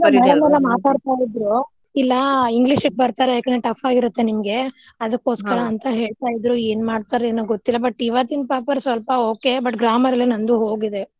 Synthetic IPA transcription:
ɛlɐmɛlɐmaːt̪aːɽt̪aːjid̪ɾu | ilːɐiŋɡliʃɨɡ̚bɐɾt̪aːɾejaːkend̪eʈɐpʰaːɡiɾut̪ːe̞nimɐɡe | ɐd̪ɐkːo̞ːskɐɾɐːnt̪ɐɦe̞ːɭt̪aːjid̪ɾue̞ːnmaːɖt̪aːɾeenoɡot̪ːilːɐbɐʈːiʋat̪inpaːpɐɾsʋɐlpɐoːke̞bɐʈɡɾaːmɐɾɐlːenɐnd̪uɦo̞ːɡid̪e

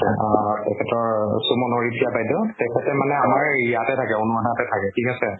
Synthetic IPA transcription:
atɛkʰɛtɔɹsumɔnoɹidʰʱijabajdɔtɛkʰɛtɛmanɛamaɹijatɛtʰakɛunuatʰatɛtʰakɛkikasɛ

